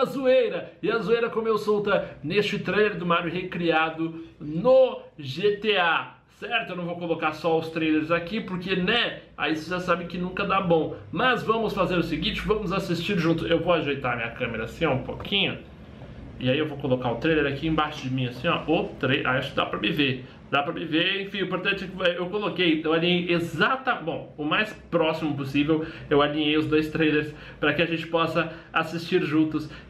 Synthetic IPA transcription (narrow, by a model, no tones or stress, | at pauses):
azuejɾɐɪɐzuejɾɐkõmʊewsowt̪ɐnest͡ʃɪt̪ɾejleɾd̪ʊmaɾjʊhekɾiad̪ʊnoʒet̪ea | sɛɾt̪ʊewñvow̃kolokaɾsɔawst̪ɾejleɾzakipoɾkenɛa̰iseʒasabɪkɪnũkɐd̪abõw̃mɐzvɐ̃mʊsfazeɾʊsɪɡĩt͡ʃɪvɐ̃mʊzasist͡ʃiɾʒũt̪ʊewvowaʒejt̪aɾɐmĩɲɐkɐ̃meɾɐːsĩɔ̃ũpo̰kʰĩɲʊ | ɪaiewvokolokaɾʊt̪ɾejleɾakiẽbaʃʊd͡ʒɪmĩasĩɲɔ̰ot̪ɾejʔa̰jaʃʊkɪd̪a̰pɾɐmɪveɾ | d̪apɾɐmɪveɾẽfĩĩpoɾt̪ɐ̃t͡ʃɪɛewkolokejewalĩɲejezat̪ɐbõw̃ʊmajspɾɔsimʊp̬osivew | ewalĩɲejʊzd̪ojst̪ɾejleɾs | pɾɐkɪaʒẽnt͡ʃɪ̥pɔsɐasist͡ʃiɾʒũt̪ʊs